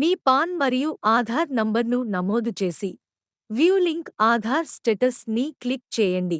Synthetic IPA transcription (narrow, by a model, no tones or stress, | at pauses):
miːpaːnʋɐɾijuʔaːd̪ʱaːɾnɐmbɐɾnunɐmoːd̪ut͡ʃe̞ːsi | ʋjuːliŋkaːd̪ʱaːɾsʈeʈɐsniklik̚t͡ʃɛːjɐɳɖi